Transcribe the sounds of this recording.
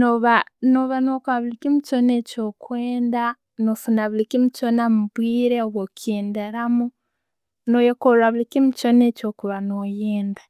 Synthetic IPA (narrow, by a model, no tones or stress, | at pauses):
noβanoβanokaβulikimiconecokweːnda | nofunaβilikimit͡ʃonamuβwiːɾeoβokeːndeɾamu | nojokoɾɾaβulikimit͡ʃonecokuβanojeːnda